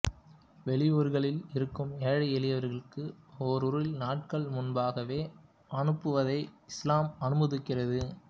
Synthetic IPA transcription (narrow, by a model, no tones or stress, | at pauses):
ʋɛɭɪjoːɾɣɐɭɪlɪɾɯkːɯmɛːɻɐɛɭɪjɐʋɐɾɣɐɭkɯoɾɯɾɯlnaːʈ̚kɐɭmʊnbaːɣɐʋeː | ʔɐnɯpːɯʋɐðɐɪɪslaːmɐnɯmɐðɯkːɪrɐðɯ